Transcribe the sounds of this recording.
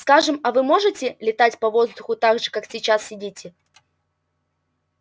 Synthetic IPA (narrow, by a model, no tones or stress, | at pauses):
skaʐɨmɐvɨmo̞ʐɨtʲɪlʲɪt̪atʲpɐvo̞zd̪ʊxʊt̪aɡʐɨkaksʲɪt͡ɕassʲɪdʲitʲɪ